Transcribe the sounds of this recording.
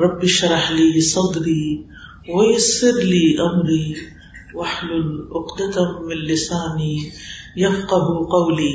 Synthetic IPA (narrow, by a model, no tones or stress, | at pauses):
ɾˤɑbːiʃɑɾˤɑħlijsˤɑd̪ɾi | wɪjɪsˤːɨɾliʔamɾi | wʔaħlulʔʊqd̪at̪amɪnlɪsaːnijafqɑɦuqawli